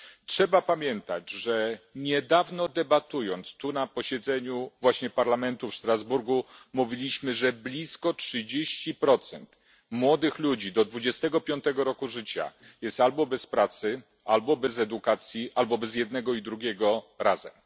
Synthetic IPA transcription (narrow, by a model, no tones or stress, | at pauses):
tʂɛbapamʲjɛnt̪ad͡ʑʐɛɲɛd̪avnɔd̪ɛbat̪ujɔnt̪st̪unapɔɕɛd̪zɛɲuvwaɕɲɛpaɾlamɛnt̪ufʂt̪ɾazbuɾɡumuvʲilʲiɕmɘʐɛblʲiskɔtʂɘd͡ʑeɕt͡ɕipɾɔt̪sɛnt̪ | mwɔd̪ɘxlud͡ʑid̪ɔd̪vud͡ʑɛst̪ɛɡɔpʲjɔnt̪ɛɡɔɾɔkuʐɘt͡ɕa̰ | jɛst̪albɔbɛspɾat̪sɘ | albɔbɛzɛd̪ukat̪sʲjiʔalbɔbɛzjɛd̪nɛɡɔid̪ɾuɡʲɛɡɔɾazɛm